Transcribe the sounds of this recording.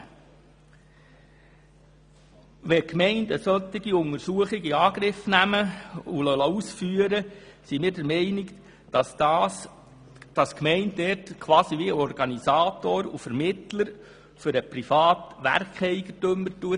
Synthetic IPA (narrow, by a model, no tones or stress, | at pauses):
ʋɛkmɛɪndəsœt̪ːiɡiʊŋəɾsuəχiɡiɑːɡ̥ɾɪfnæməulœləusfyəɾəsimɪːɾdɛɾmɛɪnɪk | s | d̥ɑskmɛɪnddɛrtkʰʋɑːsiʋiɔɾɡ̥ɑnisɑːt̪oːɾṵfəɾmɪt̪ləɾ | fʏɾəpɾifɑːt̪ʋæ̰rkχɛɪɡət̪ɵmːəɾtuə